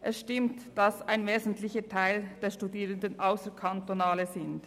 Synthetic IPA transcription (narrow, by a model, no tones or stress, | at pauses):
ʔɛsʃtɪmtd̥ɑsaɪnveːzn̩tlɪçətʰaɪld̥eːɐʃtudiːʁəndənʔaʊsəkʰantonaːləzɪnt